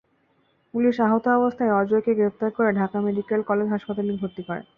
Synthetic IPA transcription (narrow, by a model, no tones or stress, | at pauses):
puliʃaɦot̪oɔbost̪ʰaeɔd͡ʑoekeɡɾept̪aɾkoɾeɖʱakameɖikelkɔled͡ʑɦaʃpat̪aliɾbʱoɾt̪ikɔɾḛ